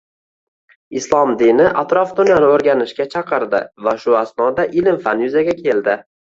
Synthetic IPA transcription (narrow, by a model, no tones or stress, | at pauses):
ɪslˠɒmd̪inɪʔat̪ɾɒfd̪ʊnjanɪoɾɡʲanɪʃkʲat͡ʃʰɑqɨɾd̪ɪ̰vaʃʊasnɒd̪aʔɪlɪmfanjʊzaɡʲakʲʰe̞ld̪ɪ